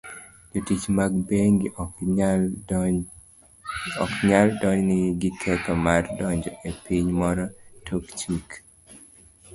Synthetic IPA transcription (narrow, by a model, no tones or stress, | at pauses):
d͡ʒotit͡ʃmaɡ̚beŋɡ | ɔkɲaldɔɲnɪɡɪkʰɛtɔmardɔɲd͡ʒɔʔepiɲmɔɾɔtʰokt͡ʃik